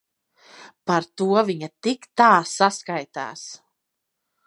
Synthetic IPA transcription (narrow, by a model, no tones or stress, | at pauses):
paɾt̪uɔviɲat̪ikt̪aːsaskajt̪æ̰ːs